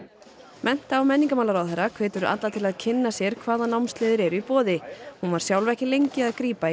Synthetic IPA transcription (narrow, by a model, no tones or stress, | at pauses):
mʔɛn̥t̪aːwmɛnːiŋkamawlaɾawðɛɾːakʰv̥eːt̪ʏɾʏʔa̰t̪lat̪ʰɪlaðcʰɪnːasjɛɾ̥kʰvaːðanawmst̪lɪːðɪɾɛɾʏipɔːðɪhunvaɾ̥sjawlvɛhcɪlejɲcɪaðkɾiːpai